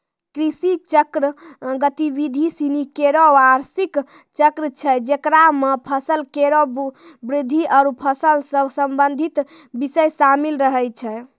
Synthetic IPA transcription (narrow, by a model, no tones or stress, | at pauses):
kɾisit͡ʃəkɾəɡət̪ibid̪ʱisinikeɾoaɾsik | t͡ʃəkɾət͡ʃʰɛd͡ʒekɾamepʰəsəlkeɾobɾid̪ʱːiʔəɾupʰəsəlsəbsəmbənd̪ʱit̪ | bisəjsamilɾəɦɛjt͡ʃʰɛ